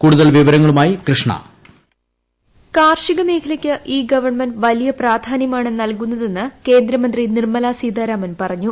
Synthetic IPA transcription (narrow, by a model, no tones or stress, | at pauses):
kuːɽuðɐlʋiʋɐɾɐŋːɐɭumaːjikrɨʂɳɐ̰ | kaːrʂiɣɐme̞ːkʰɐlɐkʲːɨʔiːɡɐʋɐɳmɐnʋɐlijɐpraːd̪ʱaːnjɐmaːɳenːnɐlkunːɐðe̞nːɨke̞ːnd̪ɾɐmɐnd̪rinirmɐlaːsiːd̪aːɾaːmɐnpɐrɐɲːu